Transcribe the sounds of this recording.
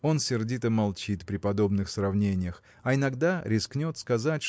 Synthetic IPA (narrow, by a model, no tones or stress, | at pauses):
o̞nsʲɪrdʲit̪əmɐlˠt͡ɕit̪pɾʲɪpɐd̪o̞bnɨxsrɐvnʲenʲɪjəx | ɐɪnɐɡd̪aɾʲɪsknʲo̞t̪skɐzatʲ